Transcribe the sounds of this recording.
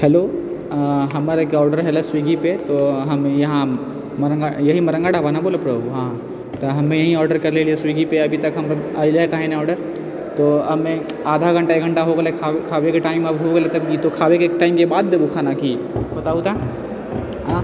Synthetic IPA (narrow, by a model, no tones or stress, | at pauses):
hɛlo | ɦɐmaɾekɔːɾɖəɾɦelaswiːɡipet̪oɦɐmjɐɦã | mɐɾə̃ŋɡajɐɦimɐɾə̃ŋɡaːɽabanaboːləpɾɐbʱuɦãː | t̪ɐɦɐmẽjɐɦĩɔːɾɖəɾkɐɾlelieswiɡipeɐbʱit̪ɐkɦɐmɐaːileɦekaːɦẽnãɔːɾɖəɾ | t̪oɦɐmẽ | aːd̪ʱaɡʱɐ̃ɳʈaeːɡʱɐ̃ɳʈaɦoɡlekʰakʰaːʋekeʈaːɪmɐbɦoɡelet̪ɐbkit̪okʰaːʋekekʈaːɪmkebaːd̪̚ːeːbukʰaːnaki | bɐt̪aut̪a